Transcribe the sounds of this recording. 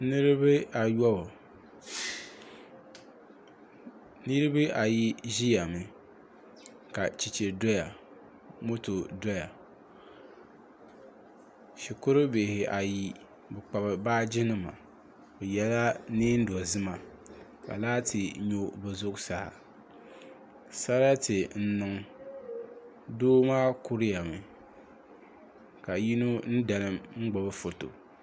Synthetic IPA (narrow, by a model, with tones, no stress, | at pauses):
nɨ˦ɾɨ˦bɨ˦a˨jɔ˦bʊ˨ | nɨ˦ɾɨ˦bɨ˦ʔa˨ji˦ʒi˦ja˨mɨ˨ | ka˨t͡ʃi˨t͡ʃe˨dɔ˦ja˨ | mo˦to˨dɔ˦ja˨ | ʃi˨kʊ˦ɾɨ˦be˨hɪ˨ʔa˨ji˦ | bɨ˨k͡pa˨bɨ˨baː˦d͡ʒɪ˦nɨ˦ma̰˨ | bɨ˨jɛ˦la˦niː˦n̩˦du˨ɔ˨zɨ˦ma˨ | ka̰˨laː˦tʰɨ˨ɲo˦bɛ˨zʊ˦ksa˨ha̰˨ | sa˦ɾa˦tɨ˨n̩˦nʊ˨ŋ | doː˦maː˦kʊ˦ɾɪ˦ja˨mɨ˨ | ka˨ji˦no˦n̩˦da˨lɨ˦mŋ͡m̩˦ɡ͡bɔ˨bɨ˦fo˨to̰˨